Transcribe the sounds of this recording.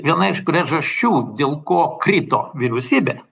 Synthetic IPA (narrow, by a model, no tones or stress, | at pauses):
ʋʲiɛnɐɪʃpʲɾʲiɛʒɐʃʲt͡ʃʲuːd̪ʲeːlˠkoːkɾʲiːt̪oːʋʲɪɾʲɛʊsʲiːbʲeː